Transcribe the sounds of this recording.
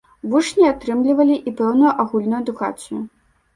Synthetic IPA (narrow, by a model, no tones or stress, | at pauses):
vuʂnʲiat̪ɾɨmlʲivɐlʲiʔipɛwnujuʔaɣulʲnujud̪uɣa̰t͡sʲju